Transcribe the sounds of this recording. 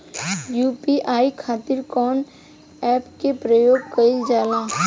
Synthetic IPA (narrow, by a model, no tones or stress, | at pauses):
juːpiʔaːikʰaːt̪ɪɾkɔːn | ɛːpkepɾəjoːɡ̚kɐid͡ʒaːlaː